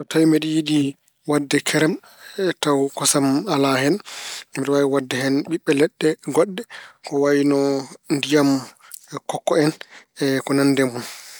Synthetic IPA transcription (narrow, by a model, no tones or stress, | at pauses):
ɔtajmɛɗijidi | wadːɛkʰɛɾɛm | tawkɔsamalahɦɛnmiɗɔwawiwadːɛhɛnɓiɓːɛlɛɗːɛɡɔɗːɛkɔwawinɔndijam | kɔkːɔɛnɛkɔnanːdɛmun